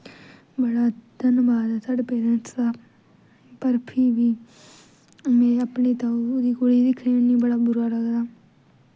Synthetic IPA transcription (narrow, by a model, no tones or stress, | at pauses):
bəɽaːd̪ənbaːd̪asəɖpeːzənsd̪aː | pəɾpʰɪɾʋiː | mɛ̃ːəpɳeːt̪ãud̪iːkoɽiːd̪ikʰniːnĩːbəɽaːbʊɾaːləɡd̪aː